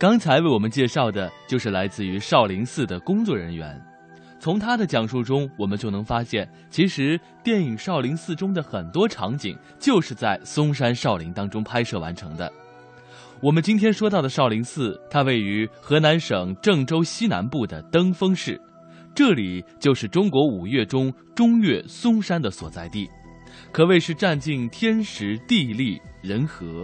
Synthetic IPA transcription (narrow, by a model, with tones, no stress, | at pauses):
kɑ˥ŋt͡sʰa˧˥ɪwe˥˩ɪwɔ˨˩mə˦nt͡ɕjɛ˥˧ʂɑ˥˩ʊd̪ə˩t͡ɕjo˥˧ʊʂɻ̩˥˩la˧˥ɪt͡sɹ̩˥˩y˧˥ʂɑ˥˩ʊli˧˥ŋsɹ̩˥˩d̪ə˩kʊ˥ŋt͡swɔ˥˩ɻə˧˥nɥɛ̰˧˥n | t͡sʰʊ˧˥ŋt̪ʰa˥d̪ə˨t͡ɕjɑ˨˩ŋʂu˥˩ʈ͡ʂʊ˥ŋwɔ˨˩mə˦nt͡ɕjo˥˩ʊnɤ˧˥ŋfa˥ɕjɛ˥˩n | t͡ɕʰi˧˥ʂɻ̩˧˥ | t̪jɛ˥˩ni˨˩ŋʂɑ˥˩ʊli˧˥ŋsɹ̩˥˩ʈ͡ʂʊ˥ŋd̪ə˨xə˨˩nt̪wɔ˥ʈ͡ʂʰɑ̰˧˥ŋt͡ɕḭ˨˩˦ŋ | t͡ɕjo˥˧ʊʂɻ̩˥˧t͡sa˥˩ɪsʊ˥ŋʂ̬a˥nʂɑ˥˩ʊli˧˥ŋt̪ɑ˥ŋʈ͡ʂʊ˥ŋpʰa˥ɪʂɤ˥˩wa̰˧˥nʈ͡ʂʰɤ̰˧˥ŋd̪ə̰˧ | wɔ˨˩mə˦nt͡ɕi˥nt̪ʰjɛ˥nʂwɔ˥t̪ɑ˥˩ʊd̪ə˩ʂɑ˥˩ʊli˧˥ŋsɹ̩˥˩t̪ʰa˥we˥˩ɪy˧˥xɤ˧˥na˧˥nʂɤ˨˩ŋʈ͡ʂɤ˥˩ŋʈ͡ʂo˥ʊɕi˥na̰˧˥npu˥˩d̪ə̰˩t̪ɤ˥ŋfɤ˥ŋʂɻ̩˥˩ | ʈ͡ʂɤ˥˩li˨˩t͡ɕjo˥˧ʊʂɻ̩˥˩ʈ͡ʂʊ˥ŋkwɔ˧˥u˨˩ɥɛ˥˩ʈ͡ʂʊ˥ŋ | ʈ͡ʂʊ˥ŋjɛ˥˩sʊ˥ŋʂa˥nd̪ə˨swɔ̰˨˩t͡sa˥˧ɪt̪i˥˩ | kʰɤ˧˥we˥˧ɪʂɻ̩˥˧ʈ͡ʂa˥˧nt͡ɕi˥˩nt̪ʰjɛ˥nʂɻ̩˧˥t̪i˥˧li˥˩ɻə˧˥nxɤ˧˥